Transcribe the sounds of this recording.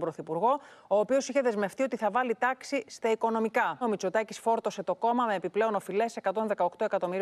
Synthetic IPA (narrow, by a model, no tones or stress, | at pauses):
bɾo̞θipuɾɣo̞oːpio̞siçe̞ðe̞zme̞ft̪io̞t̪iθɐvɐlit̪ɐksist̪ɐiko̞no̞mikɐomit͡sot̪ɐcisfo̞ɾt̪o̞se̞t̪o̞ko̞mɐme̞ːpiple̞o̞no̞file̞se̞kɐt̪o̞nðe̞kɐokt̪o̞e̞kɐt̪o̞miɾi